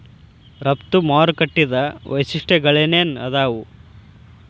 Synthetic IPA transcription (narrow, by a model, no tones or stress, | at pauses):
ɾɐpt̪umaːɾkɐʈːid̪ɐʋɐ̰jsiʂʈeɡɐɭeneːnɐd̪aːʋu